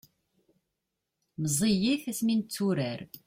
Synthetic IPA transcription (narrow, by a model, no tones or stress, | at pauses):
mzˤijiθæsmint͡sːuɾæɾ